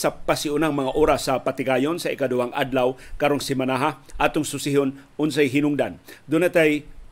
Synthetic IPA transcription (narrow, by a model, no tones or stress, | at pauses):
sɐpasɪʔʊnaŋmɐŋaʔoːɾasːɐpɐt̪ɪɡaːjonsɐʔɪkad̪ʊwaŋʔa̰d̪lawkaɾoŋsɪmɐnaɦaʔat̪ʊŋsʊsɪɦonʔʊns̬ajɦɪnʊŋd̪and̪ʊnat̪aj